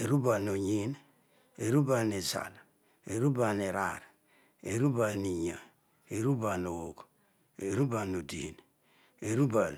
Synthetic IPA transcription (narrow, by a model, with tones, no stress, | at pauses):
e˨ɾu˦ba˨no˨ɲi˦n | e˨ɾu˦ba˨ni˨za̰˨l | e˨ɾu˦ba˨ne˨ɾa̰˨ɾ | e˨ɾu˦ba˨ni˨ɲa˨ | e˨ɾu˦ba˨no˨wo˨k | e˨ɾu˦ba˨no˨di˨n | e˨ɾu˦ba˨l